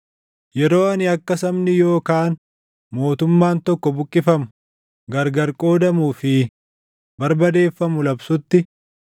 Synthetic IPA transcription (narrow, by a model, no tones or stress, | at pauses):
jɛɾo̞ːɐnɪɐkːɐsɐmnɪjo̞ːkaːn | mo̞ːt̪ʊmːaːnt̪ɔkːɔbʊkʼːɪfɐmʊ̥ | ɡɐɾɡɐɾkʼo̞ːd̪ɐmuːfɪ | bɐɾbɐd̪e̞ːfːɐmʊlɐbsʊt̪ːɪ